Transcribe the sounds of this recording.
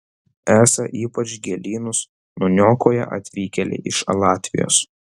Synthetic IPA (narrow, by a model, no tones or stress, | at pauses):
æːsɐʔiːpɐt͡ʃɡʲɛlʲiːnʊs | nʊnʲoːkoːjɛ̰ʔɐ̰t̪ʲʋʲiːkʲɛlʲḛʔɪʃɐlˠɑːt̪ʲʋʲɪ̰jo̰ːs